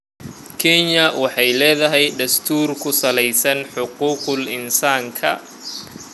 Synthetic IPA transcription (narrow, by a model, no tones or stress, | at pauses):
kʰɛɲɐwɑħɑjlɛːðɐɦɛjd̪ɐst̪ʰuːrkʰʊsɐlɛjsɐnħʊquːqʊlɪnsaːŋkʰɐ